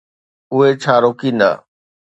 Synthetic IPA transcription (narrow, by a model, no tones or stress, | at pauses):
ʊɦet͡ɕʰaːɾoːkĩːnd̪a̰ː